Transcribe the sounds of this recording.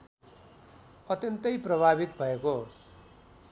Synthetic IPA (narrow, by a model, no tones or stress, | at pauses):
ʌt̪jʌnt̪ʌjprʌbʱaβit̪bʱʌeko